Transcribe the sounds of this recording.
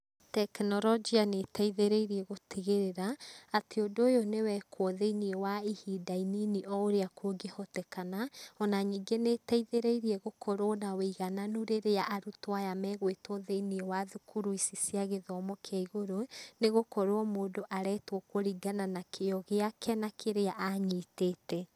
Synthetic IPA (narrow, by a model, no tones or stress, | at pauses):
tɛknɔɾɔd͡ʒianetaiðeɾeiɾiɛɣoteɣeɾeɾaateondoːjonewɛkʰwɔðeiniɛwaihidaininiʔɔoɾeakʰoɡehɔtɛkanaɔnaɲiːɡeneːtaiðeɾeiɾiɛɣokʰoɾɔnaweiɣananuɾeɾejaʔaɾutwajamɛɣwetɔðeiniɛwaðukʰuɾuisisiaɣeðɔmɔkʰaiɣoɾoneɣokoɾoɔmoːdoʔaɾɛtwɔkoɾiɡananakʰejɔɣeakʰɛnakʰeɾeaʔaɲiːteːtɛ